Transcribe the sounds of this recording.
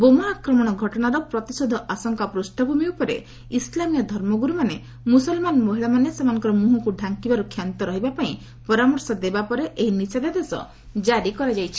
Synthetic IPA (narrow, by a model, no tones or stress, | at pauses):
bomaakɾɔmɔɽ̃ɔɡʱɔʈɔɽ̃aɾɔpɾɔt̪isod̪ʱɔʔasɔŋkapɾusʈʰɔbʱumiupɔɾḛ | islamijɔd̪ʱɔɾmɔɡuɾumane | musɔlmanmɔɦiɭamanesemanɔ̃ŋkɔɾɔmuɦɔkuɖʱaŋkibaɾukʰjant̪ɔɾɔɦibapaĩ | pɔɾamɔɾsɔd̪ebapɔɾeʔeɦinisad̪ad̪esɔ̰ | d͡ʒaɾikɔɾad͡ʒajt͡ʃʰi̥